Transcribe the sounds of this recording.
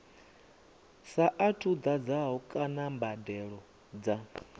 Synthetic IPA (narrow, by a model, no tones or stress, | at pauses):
saʔatʰud̪ad͡zaɦɔkʼanambadɛɺɔ | d͡za